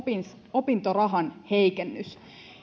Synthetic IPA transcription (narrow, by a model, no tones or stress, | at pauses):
ns | opint̪orɑɦɑnheikenːys